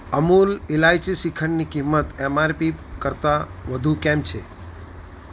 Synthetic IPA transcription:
əmulɪlajt͡ʃisikʰəɳnikimːət̪emaɾpikəɾt̪aʋəd̪ʱukɛmt͡ʃʰe

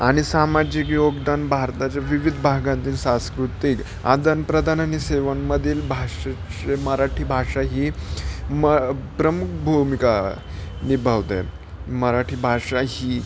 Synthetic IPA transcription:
aɽ̃isamad͡ʑikjoɡd̪anbʱaɾt̪at͡ɕjaʋiʋid̪ʱbʱaɡãnt̪iːlsãskɾut̪ik | a̰d̪ənpɾəd̪ʱanañiseʋənməd̪ʱiːlbʱaʂaeməɾaʈʰiːbʱaʂaɦiːməpɾəmukʰbʱumika | nibʱaʋt̪ḛ | məɾaʈʰiːbʱaʂaɦiː

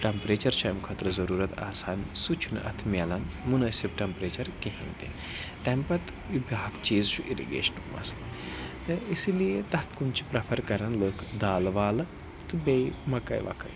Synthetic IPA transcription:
ʈɐmpɾeːt͡ʃɐɾt͡ʃʰɐjmkʰɐt̪ɾɐzɐɾuːɾɐt̪a̰ːsaːnsut͡ʃʰunʔɐ̰t̪ʰmjalɐnmunɐːsibʈɐmpɾeːt͡ʃɐɾkiɦḭnt̪e | t̪ɐmpɐt̪ | ibaːkt͡ʃiːzt͡ʃʰuʔiɾḭɡḛːʃnumɐ̰sl | isilijet̪ɐt̪ʰkunt͡ʃʰi̥pɾɐpʰɐɾkɐɾɐnləːkʰd̪aːlʋaːlɐ | t̪ɨbejmɐkɐ̰jʋɐ̰kʰɐ̰j

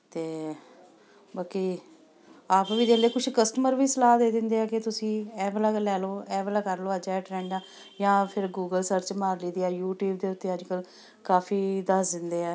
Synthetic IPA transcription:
t̪eː | baːkiː | aːpʋiːd͡ʒeːleːkʊʃʰkəsʈəməɾʋiːsəlaːd̪eːd̪ɪnd̪eːɛːkɪt̪ʊsĩːɛːblaːɡlɛːloːɛːblaːkəɾloːəd͡ʒɛːʈɾɛːɳɖaː | jãːpʰɪɾɡuːɡəlsəɾt͡ʃmaːɾliːd̪iːɛːjuːʈjuːbd̪eːʊt̪ːeːəd͡ʒkəl | kaːpʰiːd̪əsd̪ɪnd̪eːɛː

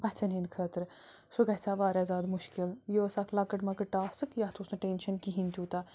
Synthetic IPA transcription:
pɐt͡sʰɐnind̪kʰəːt̪ɨɾ | suɡɐt͡sʰaːʋaːɾʲazaːd̪muʃkiljosaːkʰlɐkɐʈmɐkɨʈaːsɨkjaːt̪ʰoːsnɨʈenʃɐnkiɦint̪ʲuːt̪a

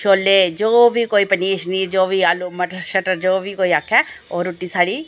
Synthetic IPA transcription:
ʃoːlːeːd͡ʒoːʋiːkoːiːpəniːʃniːɾd͡ʒoːʋiːaːluːməʈəɾʃəʈəɾd͡ʒoːʋiːkoːiːakʰːɛːoːɾoʈːiːsaːɽiː

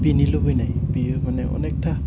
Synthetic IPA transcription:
binilobojnajbimanɛʔɔ̰nek̚ta

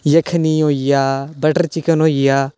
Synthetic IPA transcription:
jəkʰniːɦoːijaːbəʈəɾt͡ʃɪkənɦoːijaː

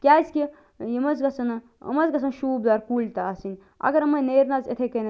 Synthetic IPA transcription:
kʲaːskʲi | jimɐzɡɐsɐn | ɐ̰mɐzɡɐsɐnʃuːbd̪aːɾkuːlʲt̪aɐsinʲ | ɐ̰ɡɐɾɐmɐneːɾnazet̪ʰekɐnɐ

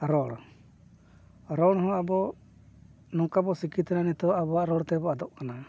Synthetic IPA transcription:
ɾɔɽ | ɾɔɽɔɦɔ̃abɔ | nɔŋkabɔsikit̪ɛnanɛt̪ɔabɔaʔɾɔɽt̪ɛbɔad̪ɔʔkana

